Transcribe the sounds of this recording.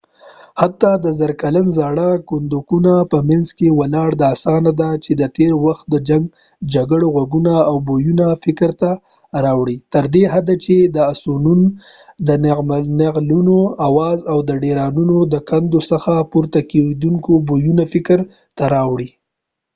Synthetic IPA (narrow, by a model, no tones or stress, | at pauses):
hat̪ːɑd̪əzaɾkalanzɑɽakʊnd̪ukunapəmanzkewalɑɽd̪aːsɑnad̪at͡ʃed̪ət̪eɾwaxt̪̚d̪əd͡ʒaŋɡ | d͡ʒaɡəɽoɣaɡunaːwbojunafɪkɾt̪a | ɾɑwɽit̪əɾd̪eɦad̪at͡ʃed̪əasunun | d̪ənnaqlunoawɑzawd̪əɖeɾɑnunod̪əkand̪osəxapuɾt̪aked̪uŋkobojunafɪkɾ | t̪aɾɑwɽi